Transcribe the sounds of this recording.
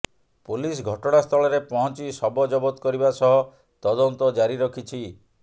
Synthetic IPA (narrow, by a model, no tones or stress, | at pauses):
pulis̬ɡʱɔʈɔɽ̃ast̪ʰɔɭɔɾepɔɦɔnt͡ʃisɔbɔd͡ʒɔbɔt̪ɔkɔɾibasɔɦɔ | t̪ɔd̪ɔnt̪ɔd͡ʒaɾiɾɔkʰit͡ʃʰi